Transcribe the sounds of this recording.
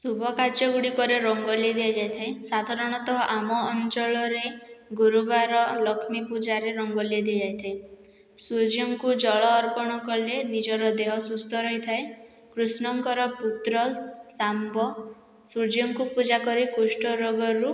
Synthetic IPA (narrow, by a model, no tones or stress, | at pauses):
subʱɔkaɾd͡ʒɔɡuɽikɔɾeɾɔŋɡɔled̪iad͡ʒajt̪ʰaesad̪ʱaɾɔɽ̃ɔt̪ɔɦɔʔamɔːnt͡ʃɔɭɔɾeɡuɾubaɾɔlɔkʰmipud͡ʒaɾeɾɔŋɡɔljɔd̪iad͡ʒajt̪ʰae | sud͡ʒɔŋkud͡ʒɔɭɔːɾpɔɽ̃ɔkɔlenid͡ʒɔɾɔd̪eɦɔsust̪ʰɔɾɔɦit̪ʰae | kɾusnɔŋkɔɾɔput̪ɾɔsambɔ | sud͡ʒiɔŋkupud͡ʒakɔɾikusʈɔɾoɡɔɾu